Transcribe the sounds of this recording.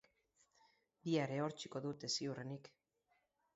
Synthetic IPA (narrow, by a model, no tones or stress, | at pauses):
d̪iaeɾe̞o̞ɾt͡ʃiko̞ðut̪e̞siurenik